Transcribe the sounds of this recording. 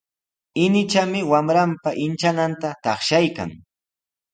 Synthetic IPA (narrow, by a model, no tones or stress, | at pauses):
ɪnɪt͡ʃamɪwamɾampaʔɪnt͡ʃanant̪at̪ɑχʃajka̰ŋ